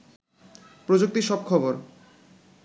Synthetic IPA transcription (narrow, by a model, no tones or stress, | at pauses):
pɾod͡ʑuk̚t̪iʃɔb̚kʰɔboɾ